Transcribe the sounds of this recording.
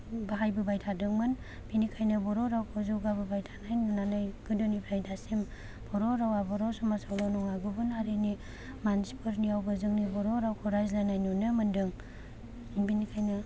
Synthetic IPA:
baɦajbɯbajtʰadɯŋmɯn | binikʰajnɯbɔɾɔɾawkʰɔzɯwɡabɯbajtʰanajnunanajɡ̥ɯdɔnipʰɾajdasim | b̥ɔɾɔɾawabɔɾawsɔmasawlanɔŋaɡubɯnaɾɯni | mansi̥pɯɾniawbɯzɯŋnibɔɾɔɾawkʰɔɾajzlanajnunɯmɯndɯŋ | binikʰajna

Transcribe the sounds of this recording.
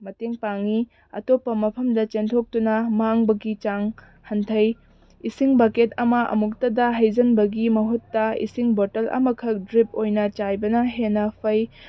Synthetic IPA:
mɐteŋpaŋi | ɐ̰topːɐmɐpʰɐmdɐt͡ʃentʰok̚tunɐmaŋbɐɡit͡ʃaŋ | hɐntʰɐj | isiŋbaketɐmɐʔɐ̰muk̚tɐdɐɦɐjzɐnbɐɡimɐɦutːɐḭsiŋbotɐlʔɐ̰mɐkʰɐk̚dɾip̚ojnɐt͡ʃajbɐnɐɦenːɐpʰɐj

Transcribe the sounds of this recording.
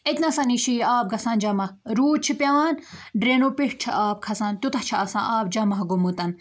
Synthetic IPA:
et̪nɐsɐniːʃiːaːb̚ɡɐsaːnd͡ʒɐmɐhɾuːt͡ʃʰipʲjaːnɖɾeːnoːpiʂt͡ʃʰiʔaːp̚kʰɐsaːnt̪ut̪ɐht͡ʃʰiɐsã̰ːʔaːb̚d͡ʒɐmɐɦɡomot̪ɐn

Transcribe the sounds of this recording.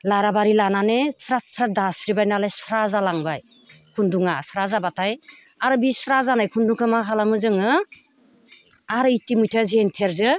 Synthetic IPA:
laɾabaɾilananesɾat̚sɾadasɾibajnalajsɾazalaŋbaj | kʰunduŋasɾazabatʰaj | aɾɯbisɾazanajkʰunduŋkʰɯmaɦʰalamɯzɯŋɯ | aɾɯitimujtʰazentʰeɾzɯ

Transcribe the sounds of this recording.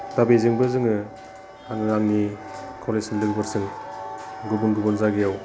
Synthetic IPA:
d̥abezɯŋbɯzɯŋɯ | aŋɯɾaŋnikʰɔlesinlɯɡbɯɾsɯŋ | ɡubunɡubɔnzaɡijaw

